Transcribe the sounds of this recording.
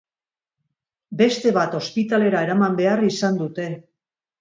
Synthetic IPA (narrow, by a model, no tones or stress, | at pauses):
be̞st̪e̞βat̪o̞spit̪ale̞ɾae̞ɾamambe̞arisand̪ut̪e̞